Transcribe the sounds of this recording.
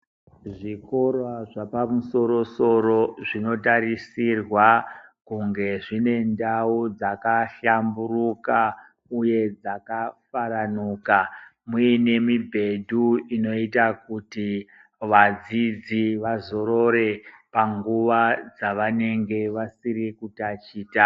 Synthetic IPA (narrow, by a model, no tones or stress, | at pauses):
ʐiko̞rwaʐapamuso̞ɾo̞so̞ɾo̞ʐino̞taɾisirwakuŋɡe̞ʐine̞ndaud͡zakaɬamburuka | uje̞d͡zakafaɾanuːkamuine̞mibʱe̞dʱuino̞itakuti | ʋad͡zid͡ziʋazo̞ɾo̞ɾe̞paŋɡuʋad͡zaʋane̞ŋɡe̞ʋasiɾikutat͡ʃiːta